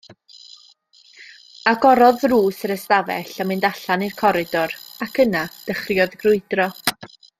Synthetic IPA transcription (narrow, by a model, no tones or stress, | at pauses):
aɡɔɾɔðruːsəɾəstavɛ̰ɬamɪndaɬanirkʰɔɾɪdɔɾakʰənad̥əχrjɔðɡrʊɨdrɔ